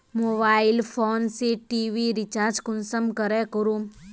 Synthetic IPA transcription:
mobaːɪlpʰoːnseʈiːʋiɾit͡ʃaːɾd͡ʒkʊnsəmkəɾɛkoɾum

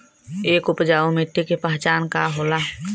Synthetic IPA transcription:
eːkʊpd͡ʒaːomɪt̪ːekepəɦt͡ʃaːnkaɦoːlaː

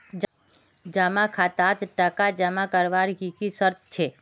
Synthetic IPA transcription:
d͡ʒ | d͡ʒamãkʰat̪at̪ʈəkad͡ʒamãkəɾʋaɾɡikisəɾt̪ʰt͡ʃʰe

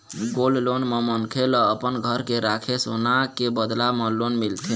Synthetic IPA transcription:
ɡollonməmənkʰelɔːpənɡʱəɾkeɾakʰesonakebəd̪lamə̃lonmilt̪ʰi

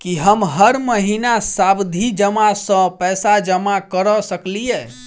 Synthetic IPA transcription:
kiɦəmɦəɾməɦinasabd̪ʱid͡ʒəmasə̃pɛsad͡ʒəmakəɾɔsəklijɛ

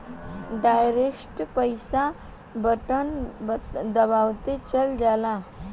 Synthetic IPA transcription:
ɖajɾesʈpəjsa | bəʈənbd̪əbawt̪et͡ʃəld͡ʒala

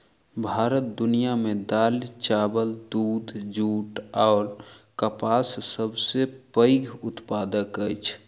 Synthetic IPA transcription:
bʱaːɾət̪̚d̪ʊnijamed̪alit͡ʃabəld̪uːd̪ʱd͡ʒuːʈɔʊɾkəpassəbsepəɪɡʱʊt̪paːd̪əkəjt͡ʃʰ

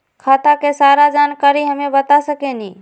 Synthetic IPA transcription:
kʰat̪akesaːɾad͡ʒaːnkaɾiɦəmẽbət̪asəkenĩ

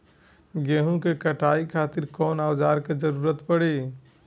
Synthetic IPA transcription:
ɡeːɦũkekəʈʰaːikʰaːt̪ɪɾkɔːnaːwd͡ʒaːɾked͡ʒəɾuːɾət̪pəɽi

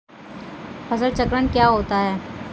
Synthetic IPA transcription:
pʰəsəlt͡ʃəkɾənkjaːɦoːt̪aɦɛː

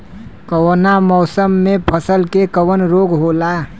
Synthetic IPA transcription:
kəwonamɔːsəmːepʰəsəlkekəwənɾoɡɦola

